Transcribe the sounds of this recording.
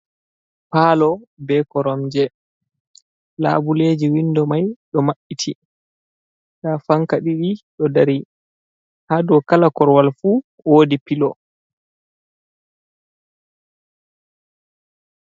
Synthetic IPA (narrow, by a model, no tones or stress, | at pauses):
paːlɔbɛkɔɾɔmd͡ʒɛ | la̰ːbuleːd͡ʒiwindɔmajɗɔmaɓːitʰi | ɗafaŋkaɗiɗiɗɔdaɾi | haːdɔkalakɔɾwalfu | woːdipilɔ